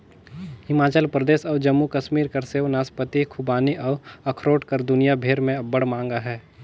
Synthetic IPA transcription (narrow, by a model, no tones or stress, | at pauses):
hɪmaːt͡ʃəlpɾəd̪eːsɔːd͡ʒɐmːukɐʃmiːɾkɐɾseːʋnaːspət̪ikʰʊbaːniʔɔːɐkʰɾoːʈkɐɾd̪ʊnijabʱeːɾmẽɐbəɽmãːŋ̆ɡaɦɛː